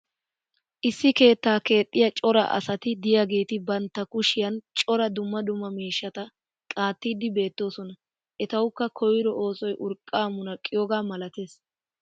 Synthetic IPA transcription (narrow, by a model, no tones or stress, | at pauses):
ʔɪsːɪke̞ːt̪ːaːke̞ːt̪ʼːɪjɐt͡ʃʼɔɾɐ̰ʔɐ̰sɐt̪ɪd̪ɪjaɡeːt̪ɪbɐnt̪ːɐkʊʃɪjɐnt͡ʃʼɔɾɐd̪ʊmːɐd̪ʊmːɐmiːʃːɐt̪ɐ | kʼaːt̪ːiːd̪ɪbe̞ːt̪ːo̞ːsɔnɐ | ʔɛt̪ɐwʊkːɐkʰɔjɪɾɔʔo̞ːsɔjʔʊɾkʼːaːmʊnɐkʼːɪjɔːɡaːmɐlɐt̪e̞ːs